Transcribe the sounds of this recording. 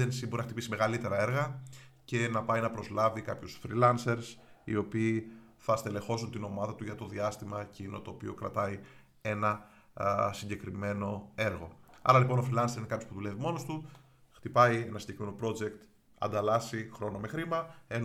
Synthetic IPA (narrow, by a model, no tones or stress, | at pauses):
ensibo̞ɾinɐxt̪ipisime̞ɣɐlit̪e̞ɾɐe̞ɾɣɐce̞nɐpɐjnɐpɾo̞zlɐvikɐpçusfɾilɐnse̞ɾsḭo̞piː | θɐst̪e̞le̞xo̞sunt̪ino̞mɐðɐt̪uʝɐt̪o̞ðiɐst̪imɐcino̰t̪o̞ːpio̞kɾɐ̰t̪ɐi | e̞nɐ | siɲɟe̞kɾime̞no̞e̞ɾɣo̞ɐ̰ɾɐlipo̞no̞fɾilɐnseɾineɐpçopuðule̞vimo̞no̞st̪u | xt̪ipɐienɐsiɲɟe̞kɾimeno̞pɾo̞d͡ʒe̞kt̪ | ɐ̰nd̪ɐlɐsixɾo̞no̞me̞xɾimɐe̞n